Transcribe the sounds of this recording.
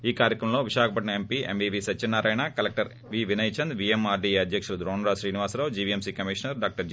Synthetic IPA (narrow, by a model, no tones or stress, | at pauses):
iːkaːɾjɐkɾɐmɐmlo̞ːʋiʃaːkʰɐpɐʈɳɐempiːḛmbiːʋiːsɐt͡ʃːinːaːɾɐːjɳaːkɐlek̚ʈɐɾ | ʋiːʋinɐjt͡ʃɐnd̪ʋiemaːɾɖiːeɐd̪ʱjɐkʂulud̪ɾoːnɾaːʃɾiːniʋaːsɾɐʋd͡ʒiːʋiemsiːkɐmiʃɐnɐɾɖaːk̚ʈɐɾ